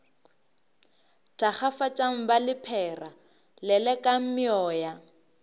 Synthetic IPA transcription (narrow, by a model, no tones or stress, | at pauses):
tʼaχafat͡ʃʼaŋ̩balɪpʰɛːra | lɛlɛkʼam̩mɪɔːja